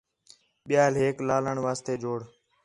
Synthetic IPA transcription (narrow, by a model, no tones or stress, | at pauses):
ɓɪjaːlɦeːklaːləɳʋaːst̪eːd͡ʒoːɽ